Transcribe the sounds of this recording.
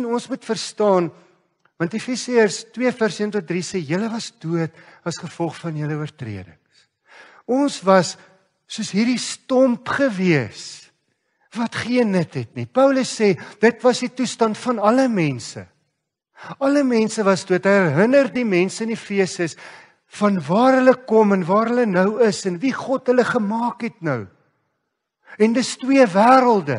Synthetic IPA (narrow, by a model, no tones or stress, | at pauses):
nɔnsmutfərstɑːn | vɐntifisiərstwiəfærsiəntɔt̚drisɛjələvɐsduətɐsχəfɔlˠχfɐnɦələuərtrḭədə̰ŋs | ɔnsvɐsː | uəsɦiːrdistɔmpχəviəs | vɐtχiənːətɦɛtnipœwləsːɛd̥ətvɐsditustɐntfɐnɐləmɛnsə̰ | ɐləmɛnsəvɐsduətɦəjærɦənərdimɛnsəənifiəsəs | fɐnvɑːrɦələkɔmɛnvɑːɾɦələnœwəsɛnviχɔtɦələχəmɑːkɦɛtnəw | ɛndəstwiəvæːɾəlˠdə̰